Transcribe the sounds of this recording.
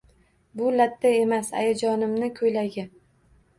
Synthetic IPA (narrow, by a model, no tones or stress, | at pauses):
bʊlat̪ʰːae̞masa̰jad͡ʒɒnɪmnɪkʰɵjlaɡʲɪ